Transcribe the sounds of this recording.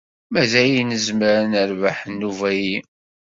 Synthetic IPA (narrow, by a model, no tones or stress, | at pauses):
mæzæjinəzməɾnəɾvaħnːuvæji